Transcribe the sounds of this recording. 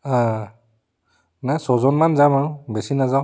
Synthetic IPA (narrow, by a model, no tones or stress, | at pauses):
a | najsɔzɔnmanzamaʊ̃bɛsinazaw